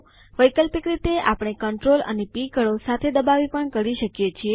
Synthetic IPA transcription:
ʋəjkəlpikɾit̪eʔapəɳ̃ekəɳʈɾolə̰nepikəɭosat̪ʰed̪əbaʋipəɳkəɾiʃəkjet͡ʃʰie

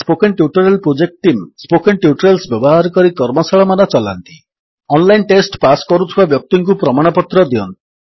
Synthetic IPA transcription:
spokenʈjuʈɔɾelpɾod͡ʒek̚ʈʈimspokenʈjuʈɔɾelsbjɔbɔɦaɾɔkɔɾikɔɾmɔsaɭɔmanat͡ʃɔla̰nt̪i̥ | ɔnlajnʈesʈpaskɔɾut̪ʰibabjɔk̚t̪iŋkupɾɔmaɽ̃ɔpɔt̪ɾɔd̪iɔnt̪i̥

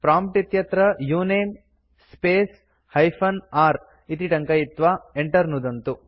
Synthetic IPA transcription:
pɾaːmp̚ʈit̪jɐt̪ɾɐjuːneːm | speːs | hɐjpʰɐnaːɾ | it̪̬iʈɐŋkɐjit̪ːʋaːeɳʈɐɾnud̪ɐnt̪u

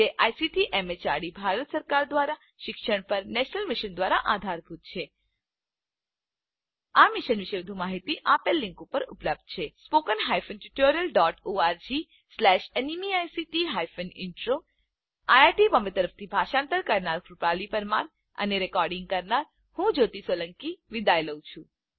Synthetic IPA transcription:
eʔajsiʈiʔemet͡ʃaɽibʱaɾət̪səɾkaɾd̪ʋaɾa | ʃɪkʃəɳ̃pəɾnɛʃnəlmiʃənd̪ʋaɾaʔad̪ʱaɾbʱut̪̚t͡ʃʰe | amiʃənʋiʃeʋəd̪ʱũmaɦit̪iʔapelːĩŋkupəɾṵpləb̚d̪̥̚t͡ʃʰespokənɦajfənʈuʈoɾijəlɖɔʈoaɾd͡ʒi | slɛʃenimiajsiʈiɦajfənɪ̰ɳʈɾo | ajaɾʈibəmbet̪əɾəft̪ʰibʱaʃãnt̪əɾkəɾnaɾkɾupalipəɾman | ə̰neɾɛkɔɾɖɪ̃ŋɡ̚kəɾnaɾ | hũd͡ʒot̪isʋələŋkiʋid̪ajləwt͡ʃʰũ

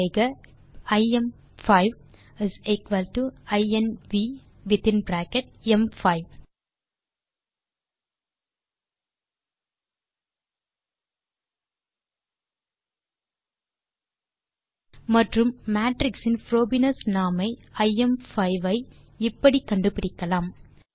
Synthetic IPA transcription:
ɪɡɐ | ɐɪɛm | fɐɪʋ | ɪzɪkʋɐlʈuɐɪɛnʋi | ʋɪt̪ɪ̃nbɾæːkɛʈ̚ɛmfɐɪʋ | mɐʈrɯmːaːʈɾɪksɪnfɾoːbɪnɐsnaːmɐɪɐɪɛmfɐɪʋɐɪ | ɪpːɐɽikɐɳɖɯpɪɽɪkːɐlaːm

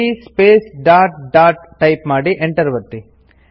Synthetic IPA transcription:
ispeːsɖaːʈɖaːʈ | ʈːɐjpmaːɽiʔeɳʈɐɾʋɐt̪ːi

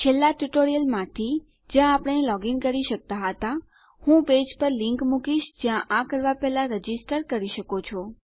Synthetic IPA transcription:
t͡ʃʰelːaʈuʈoɾijəlmãt̪ʰi | d͡ʒjãːpəɽ̃elɔɡiŋɡkəɾiʃək̚t̪aɦət̪a | hũped͡ʒpəɾlɪŋkmukiʃd͡ʒjãʔakəɾʋapɛɦlaɾəd͡ʒisʈəɾkəɾiʃəkot͡ʃʰɔ

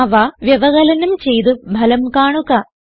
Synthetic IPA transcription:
ɐʋɐʋjɐʋɐɣɐlɐnumt͡ɕe̞jt̪ɨbʱɐlɐmkaːɳuɣɐ

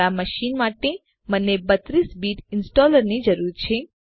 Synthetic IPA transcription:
aməʃinmaʈe | mənːebət̪ɾisbiʈɪnsʈɔləɾnid͡ʒəɾuɾt͡ʃʰe

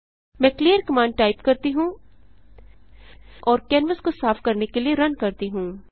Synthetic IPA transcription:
mɛ̃kliːəɾkɐmãːɳɖ̚ʈaːɪpkɐɾt̪iɦũː | ʔɔːɾkɛ̃ːnʋəskosaːfkɐɾnekelieɾɐnkɐɾt̪iɦũː

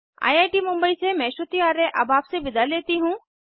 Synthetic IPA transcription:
a̰ːjaːjʈimʊ̃mbəisemɛ̃ːʃot̪ijaːɾẽʔɐ̰baːpseʋɪd̪aleːt̪iɦũː

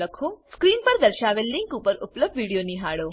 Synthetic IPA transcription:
ɐkʰoːskɾiːnpɐɾd̪ɐɾʃaːʋelːiŋɡkuːpɐɾuplɐb̚ʋiːɽijoːniɦaːɽoː

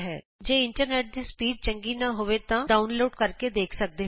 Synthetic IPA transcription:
ɦɛː | d͡ʒeːɪɳʈəɾneːʈ̚d̪iːspiːɖ̚t͡ʃə̃ŋɡiːnaɦoːʋeːt̪ãːɖaːʊnloːɖkəɾked̪eːkʰsək̚d̪eːɦ

